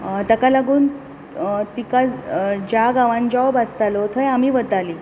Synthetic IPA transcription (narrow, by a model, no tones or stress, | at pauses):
t̪əkalaɡuːn | t̪ikad͡ʑaɡaʋãnd͡ʑaʋbast̪alot̪ʰəjamiːʋət̪ali